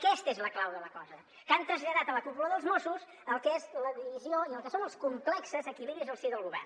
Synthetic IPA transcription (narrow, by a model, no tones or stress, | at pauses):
kɛst̪ezləklawðələkɔzə | kant̪ɾəzʎəðat̪ələkupuloðəlˠzmosus | əlˠkezləðiβizioiəlˠkəsonəlˠskumplɛksəzəkiliβɾizəlˠsiðəlˠɣuβɛ̰r